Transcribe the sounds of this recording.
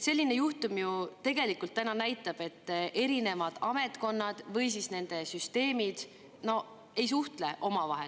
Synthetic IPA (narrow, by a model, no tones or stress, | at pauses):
se̞lʲːine̞juht̪umjut̪e̞ɡ̥e̞likːˑult̪ːænɑnæjt̪ːˑɑb̥e̞t̪ːʔe̞ɾine̞mɑd̪̥ɑme̞t̪ko̞nːɑd̪̥vɤjsisne̞nd̪̥e̞syst̪e̞ːmid̪̥ | no̞ | e̞js̬uht̪le̞ʔo̞mɑvɑ̰ɦḛl